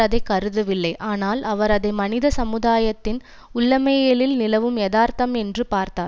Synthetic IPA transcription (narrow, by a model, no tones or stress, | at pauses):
ɐðɐɪkːɐɾɯðɯʋɪlːɐɪʔaːnaːlɐʋɐɾɐðɐɪmɐnɪðɐsɐmɯðaːjɐt̪ːɪn | ʊɭːɐmɐjɐlɪlnɪlɐʋɯmɛːðaːɾt̪ɐmɛndrɯpaːɾt̪aːɾ